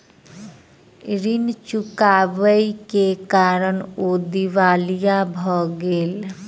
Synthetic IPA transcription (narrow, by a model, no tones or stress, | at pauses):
ɾint͡ʃukabəjkekaɾənod̪iʋalijabʱɔɡel